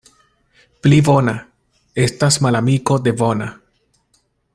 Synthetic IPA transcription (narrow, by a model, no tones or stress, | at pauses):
plibo̞na | e̞stasmalamiko̞de̞vo̞na